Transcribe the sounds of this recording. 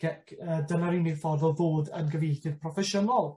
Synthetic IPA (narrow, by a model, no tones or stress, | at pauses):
ɡ̥ɛkʰədənaɾinefɔrðɔðoːdənɡəvejθɪd̥pʰrɔfɛʃɔnalˠ